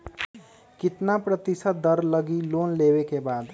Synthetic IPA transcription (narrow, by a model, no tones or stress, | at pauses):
kɪt̪napɾət̪ɪsət̪̚d̪əɾləɡiloːnleːwekebaːd̪